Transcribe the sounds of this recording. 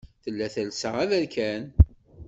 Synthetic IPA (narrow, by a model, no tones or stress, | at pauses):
θəlːæθælsəʁæðælkæn